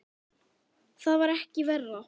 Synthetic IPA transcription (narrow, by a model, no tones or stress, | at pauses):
θaðvaɾɛhcɪvɛrːa